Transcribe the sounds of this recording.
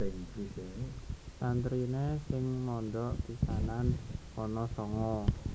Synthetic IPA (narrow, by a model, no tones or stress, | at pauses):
ɛŋd͡ʒiset̪ant̪ɾinesɪŋmɔnd̪ɔʔp̪isanan | ɔnɔsɔŋɔ